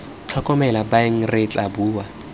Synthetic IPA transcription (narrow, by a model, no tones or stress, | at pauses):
t͡ɬʰɔkʼɔmɛlabaeŋ̩ret͡ɬʼabuːwa